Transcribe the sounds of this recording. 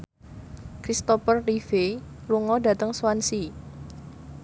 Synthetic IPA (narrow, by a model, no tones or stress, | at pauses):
kɾist̪ɔfərːife | luŋɔda̤t̪əŋswansi